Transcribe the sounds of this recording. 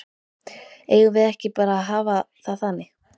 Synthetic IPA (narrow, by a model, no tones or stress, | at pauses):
eːjɣʏvɪðɛhcɪpaːɾaːɦaːva | θaðθanːɪ